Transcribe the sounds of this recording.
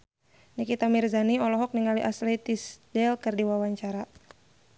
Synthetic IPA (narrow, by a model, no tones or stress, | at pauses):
nikit̪amirzaniɔlɔɦɔk̚niŋaliʔaslɛt̪isdɛlkɨrdiwawaɲt͡ʃaɾa